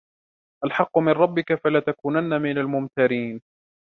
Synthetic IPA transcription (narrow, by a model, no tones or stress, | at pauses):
ʔalħɑqːʊmɪnɾˤɑbːɪkafalaːt̪akuːnanːamɪnalmʊmt̪aɾiːn